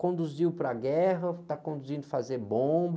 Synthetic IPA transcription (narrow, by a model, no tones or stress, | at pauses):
kõnd̪uziwpɾɐɡɛɦɐt̪akõnd̪uzĩnd̪ʊfazeɾbõbɐ